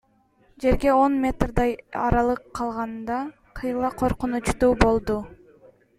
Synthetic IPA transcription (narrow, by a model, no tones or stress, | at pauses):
d͡ʒe̞ɾɡe̞o̞nmʲe̞t̪rd̪ɑjɑɾɑlˠɯqʰːɑlˠʁɑnd̪ɑ | qʰɯjlˠɑqʰo̞ɾqunut͡ʃt̪uːbo̞lˠd̪u